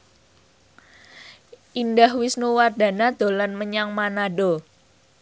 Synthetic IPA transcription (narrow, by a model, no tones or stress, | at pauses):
ʔindahwisnuward̪̥a̤nad̪̥o̤lanməɲaŋmanaɖo